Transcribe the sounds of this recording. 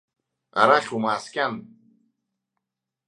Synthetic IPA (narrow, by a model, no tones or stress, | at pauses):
a̰ɾaχʲumaːskʲʼan